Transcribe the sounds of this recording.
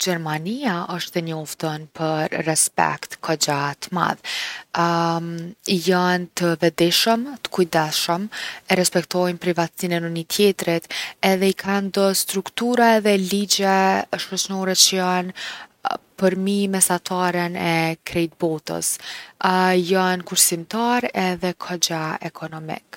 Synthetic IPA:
d͡ʒɛɾmaniaəʃt̪ɛnɔft̪ənpʰəɾrɛspɛ̰kt̪kʰɔd͡ʒat̪əma̰ð | ijant̪əvɛd̪iʃəmt̪ə̥kujd̪ɛʃəmɛɾɛspɛkt̪ɔjnpɾivat̪sinɛnənit̪ʰjɛt̪ɾit̪ɛðɛikʰand̪ɔst̪ɾukt̪uɾaɛðɛlid͡ʑɛʃɔt͡ʃnɔɾɛt͡ʃəjan | pəɾmimɛsat̪ʰaɾənɛkɾɛjt̪̚bɔt̪ə̰s | jankuɾsimt̪aɾɛðɛkʰɔd͡ʑaɛkʰɔnɔmḭk

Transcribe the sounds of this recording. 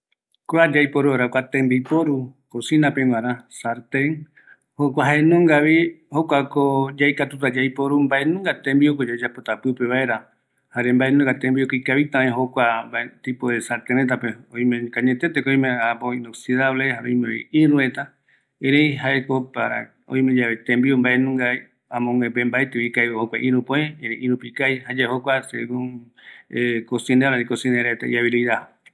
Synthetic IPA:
kwad͡ʒajpoɾuɾakʷat̪ẽmbipoɾukosĩnapẽŋãɾãsaɾt̪eŋ | hokʷaɦaenõŋɡaβihokʷakod͡ʒajkat̪ut̪ad͡ʒajpoɾumbaenũŋɡat̪ẽmbiokod͡ʒad͡ʒapot̪apɨpeβaeɾa | haɾembaenũŋɡat̪ẽmbiokoikaβit̪ãẽɦokʷambat̪ipoðesaɾt̪ẽɾet̪̬apeõĩmẽkaɲẽt̪et̪ekoj̃mẽapoinoksiðaβlehaõjmeḭʔĩɾũet̪a | eɾejɦaekopaɾa̰ | õ̰j̃med͡ʒaβet̪ẽmbiombaʔenũŋɡa | ãmõŋepembaet̪eβikajhokʷaʔĩɾũpõẽeɾeʔĩɾupikajhad͡ʒahokʷasḛɡũŋ | ekosĩneɾaikosĩneɾet̪aḭaβiɾijðaho

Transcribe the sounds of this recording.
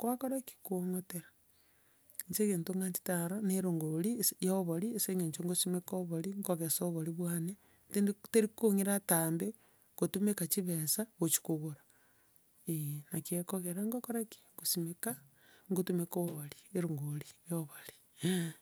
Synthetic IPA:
kwakoɾaki̥kuoŋoteɾa | ɲt͡ʃeɣeːntuŋɡaɲt͡ʃi̥taɾoneɾuŋɡolisjoβolieseŋeɲt͡ʃoŋɡosimekoβoliŋɡoɣesoβoliβwaːne | tendteɾikoŋiɾataːmbe | kotumekat͡ʃiβesaɣot͡ʃi̥kuɣuɾa | enakekoɣeɾaŋɡokoɾaki̥ŋɡosimeka | ŋɡotumekoβolieɾuŋɡolijoβoli̥

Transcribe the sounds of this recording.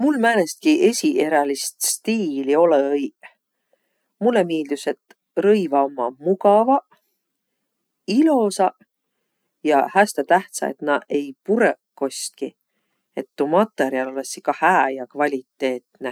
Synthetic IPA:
mulmæːle̞st̪̚kiʔe̞sʲiʔe̞ɾɑlist̪st̪iːlio̞lej | mulːemiːld̪̥use̞t̪ː | rɤjvɑomːɑmuɡɑvɑ | ilo̞sɑ | jɑ̰hæst̪et̪æht̪sɑ̰e̞̰t̪nɑʔe̞jpuɾekːo̞st̪̚ki | e̞t̪ːumɑt̪ˑːe̞ɾiɑlo̞lesːikɑhæːjɑkvɑlʲit̪ːe̞ːt̪ne

